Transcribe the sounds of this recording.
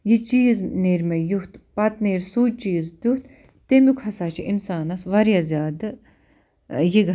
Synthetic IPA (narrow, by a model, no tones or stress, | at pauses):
jit͡ʃiːzneːɾmejuht̪pɐt̪neːɾsuːt͡ʃiːzd̪uht̪ | t̪emjukhɐsaːt͡ʃʰiʔinsaːnɐsʋɐɾjazʲjaːd̪ | jiɡ